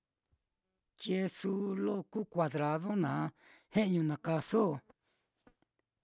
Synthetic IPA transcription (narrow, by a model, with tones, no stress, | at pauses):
t͡ʃje˧su˧˦lo˦ku˦˨kʷa˨˧ðɾa˧ðo˦nãː˨˦he˦ʔɲũ˧nã˨ka˧so˦˨